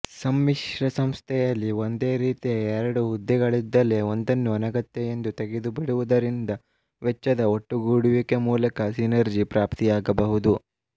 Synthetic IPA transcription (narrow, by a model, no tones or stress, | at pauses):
sɐmːiʂɾɐsɐmst̪ʰɛjɐlːio̞nd̪e̞ːɾiːt̪ijɐɛɾɐɽuɦud̪ːɛɡɐɭid̪ːɐle̞o̞nd̪ɐnːuɐnɐɡɐt̪ːejend̪ut̪eɡed̪ubiɽuʋud̪ɐɾind̪ɐ | ʋɛt͡ʃːɐd̪ɐoʈːuɡuːɽuʋikemuːlɐkɐsinɐɾd͡ʒipɾaːpt̪ijaːɡɐbɐɦud̪u